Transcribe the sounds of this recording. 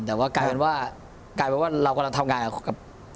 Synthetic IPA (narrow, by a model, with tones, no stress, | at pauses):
t̪ɛː˨˩waː˥˩kaː˧jpe˧nwaː˥˩ | kaː˧jpe˧nwaː˥˩ɾa˧wka˧la˧ŋt̪ʰa˧mŋaː˧na˨˩ka˨˩p̚